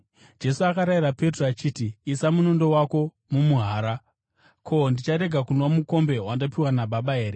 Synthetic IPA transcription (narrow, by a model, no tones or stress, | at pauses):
d͡ʒe̞suakaɾaiɾape̞troat͡ʃiːtiːsamunondo̞wako̞ | mumuɦaːɾa | kʰo̞ndit͡ʃaɾe̞ɡʱakunomuko̞mbe̞wandopiwanaɓaɓae̞ːɾe